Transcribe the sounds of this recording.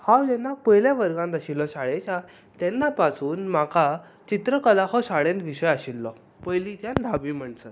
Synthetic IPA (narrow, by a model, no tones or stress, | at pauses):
hãwd͡ʑɛnːapəjljaʋəɾɡãnd̪əɕilːɔɕaɭet͡ɕa | t̪ɛnːapasuːnmaka | t͡ɕit̪ɾəkəlahɔɕaɽẽnt̪ʋiɕəjaɕilːɔ | pəjlĩt̪jand̪ʱabiːm̤əɳt͡sə